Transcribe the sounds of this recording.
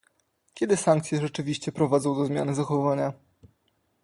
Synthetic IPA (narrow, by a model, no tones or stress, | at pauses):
kʲɛd̪ɘsaŋkt̪sʲjɛʐɛt͡ʂɘvʲiɕt͡ɕɛpɾɔvad̪zɔ̃w̃d̪ɔzmʲja̰nɘzaxɔvaɲa